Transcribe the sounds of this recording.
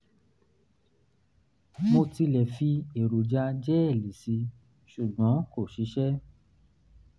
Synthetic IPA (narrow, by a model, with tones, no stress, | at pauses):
mo˧ti˧lɛ˨fi˧e˨ɾo˨d͡ʒa˧d͡ʒɛ˦ɛ˦˨li˨si˨˧˦ | ʃu˨ɡ͡bɔ̃˨˦ko˦˨ʃi˨˦ʃɛ˦